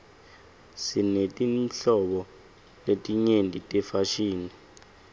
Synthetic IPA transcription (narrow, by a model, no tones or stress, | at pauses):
sinetʼiɬɔɓɔ | letʼiɲentʼitʼɛfaʃiːni